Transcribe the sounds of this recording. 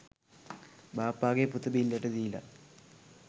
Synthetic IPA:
baːpːaːɣeput̪ːɐbinleʈːɐðijlɐ̰

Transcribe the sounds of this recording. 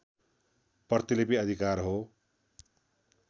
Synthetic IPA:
pʌrt̪ilepiʌd̪ʱikarɦo

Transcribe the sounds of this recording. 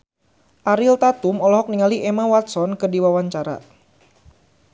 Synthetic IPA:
ʔaɾilt̪at̪umɔlɔɦɔk̚niŋaliʔɛmawat̪sɔnkɨrdiwawaɲt͡ʃaɾa̰

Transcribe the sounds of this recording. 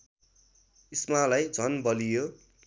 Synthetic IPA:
ismalajd͡zʱʌnbʌlijo

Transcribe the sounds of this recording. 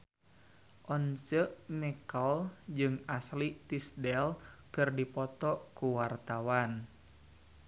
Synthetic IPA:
ʔɔnt͡ʃəʔmɛkɔld͡ʒɨŋaslit̪isdɛlkɨrdipɔt̪ɔkuwart̪awan

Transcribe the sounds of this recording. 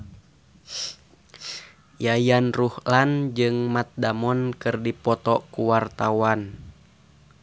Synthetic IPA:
jajanruhland͡ʒɨŋmat̪̚damɔnkɨrdipɔt̪ɔkuwart̪awan

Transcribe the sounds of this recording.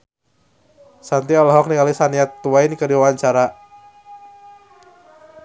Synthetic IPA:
sant̪iɔlɔɦɔk̚niŋalisaniat̪ːuajnikədiwaaɲt͡ʃaɾa

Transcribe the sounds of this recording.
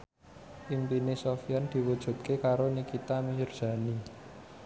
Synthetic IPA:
ʔimpinesofijand̪̥i̤wud̥ʒ̥ṳt̪̚kekaɾonikit̪amijurd̥ä̤ni

